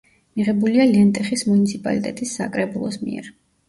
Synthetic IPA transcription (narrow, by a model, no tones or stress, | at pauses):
miʁɛbulialiɛnt̪ʼɛχismunit̪sʰipʼa̰lit̪ʼɛt̪ʼisːakʼɾɛbulˠɔsmḭɛ̰ɾ